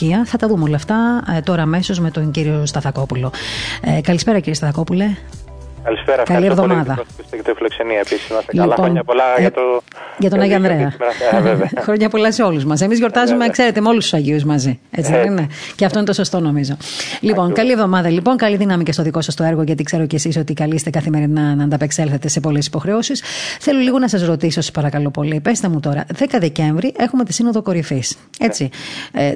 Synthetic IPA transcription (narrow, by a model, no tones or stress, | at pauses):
iɐθɐt̪ɐðumeolɐːft̪ɐt̪o̞ɾɐːme̞so̞zme̞t̪oɲɟiɾiost̪ɐθɐko̞pulo̞ekɐlispe̞ɾɐociɾiest̪ɐθɐko̞pule | kɐlispeɾɐkɐlievðo̞mɐðɐset̪ifilokseniɐepisizmɐliponlɐɐt̪ | ʝɐt̪onɐʝoɐnðɾeɐ | xɾoɲɐpo̞lɐseo̞luzmɐs̬emizʝo̞ɾt̪ɐzumekse̞ɾe̞t̪emeo̞lust̪u̥sɐʝiuzmɐzie̞t͡siðenne | ceɐft̪oinet̪o̞so̞st̪o̞no̞mizo | lipo̞ŋkɐlie̞vðo̞mɐðɐlipo̞ŋkɐliðinɐmicest̪oðiko̞sɐst̪o̞e̞ɾɣoʝɐt̪ikse̞ɾo̞cesiso̞t̪ikɐlist̪ekɐθime̞ɾinɐnɐːnd̪ɐpekse̞lθe̞t̪e̞se̞polesi̥po̞xɾeosisθe̞loliɣo̞nɐsɐzɾo̞t̪isosɐ̥spɐɾɐkɐlo̞po̞lipe̞st̪ɐmut̪o̞ɾɐ̰ðekɐðece̞ɱvɾiʔe̞xume̞t̪isino̞ðoko̞ɾifis | e̞t͡si